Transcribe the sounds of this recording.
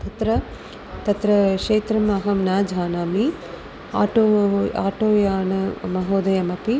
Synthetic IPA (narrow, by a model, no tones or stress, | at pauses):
t̪ɐt̪ɾɐ | t̪ɐt̪ɾɐʃeːt̪ɾɐmɐɦɐmnaːd͡ʒʱaːnaːmi | a̰ːʈoa̰ːʈoːjaːnɐmɐɦoːd̪ɐjɐmɐpi